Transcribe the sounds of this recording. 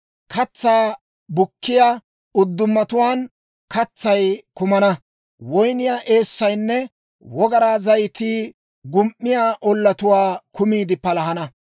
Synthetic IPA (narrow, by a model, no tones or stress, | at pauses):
kʰɐt͡sːaː | bʊkːɪjaː | ʊd̪ːʊmːɐt̪ʊwaːn | kɐt͡sːɐjkʊmɐnɐ | wɔjnɪjaːʔe̞ːsːɐjnːɛ | wɔɡɐɾaːzɐjt̪iː | ɡʊmʔːɪjaːʔɔlːɐt̪ʊwaːkʊmiːd̪ɪpɐlɐɦɐnɐ